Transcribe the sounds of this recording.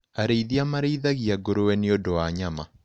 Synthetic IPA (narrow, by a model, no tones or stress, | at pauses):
aɾeiðiamaɾeiðaɣiaɡoɾowɛneodowaɲama